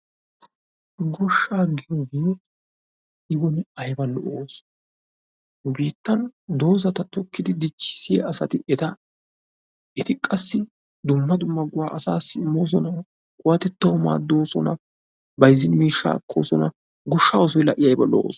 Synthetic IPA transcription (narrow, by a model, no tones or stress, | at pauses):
ɡɔʃːaːɡɪjoːɡe̞ː | ɪɡɔnɪɐjbɐlːɔʔoːs | biːt̪ːɐnd̪o̞ːzɐt̪ɐt̪ɔkːɪd̪ɪd̪ɪt͡ʃːɪ̥sːɪjɐ̰ɐsɐ̰t̪ɪʔɛt̪ɐ | ɛt̪ɪkʼɐsːɪ | d̪ʊmːɐd̪ʊmːɐɡʊwaːʔɐsaːsːɪɪmːo̞ːs̬ɔnɐ | kʼʊwɐt̪ɛt̪ːɐwʊma̰ːd̪ːo̞ːsɔnɐ | bɐjzɪnmiːʃːa̰ːkːo̰ːsɔnɐ | ɡɔʃːaːɔs̬ɔjlɐʔɪjɐjbɐloo̰ːs